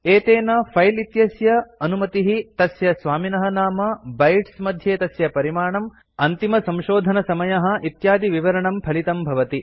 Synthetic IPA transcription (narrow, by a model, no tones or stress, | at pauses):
eːt̪eːnɐpʰɐjlit̪jɐsjɐɐnumɐt̪iɦit̪ɐsjɐsʋaːminɐɦɐnaːmɐbɐjʈsmɐd̪ʱjeːt̪ɐsjɐpɐɾimaːɳɐm | ɐnt̪imɐsɐ̃mʃoːd̪ʱɐnɐsɐmɐjɐɦɐ̆ʔit̪jaːd̪iʋiʋɐɾɐɳɐmpʰɐlit̪ɐmbʱɐʋɐt̪i